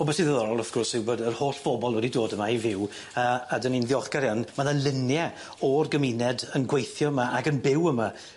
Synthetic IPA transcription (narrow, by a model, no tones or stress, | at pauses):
ɔbɛsiðəðɔɾɔlˠəfɡ̥ɔrsɪwbodərhoːɬb̥ɔbɔlˠwɛdidoːdəmaivɪw | əadəninðjɔχɡ̥aɾjanmanalˠɪnjɛ | ɔrɡəmɪnɛdənɡwejθjɔəmaaɡənbɪwəma